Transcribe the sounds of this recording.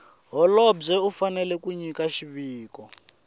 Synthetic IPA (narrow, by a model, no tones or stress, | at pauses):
ɦɔlɔbb͡ʐɛufanɛlɛkuɲikaʃiβiːkɔ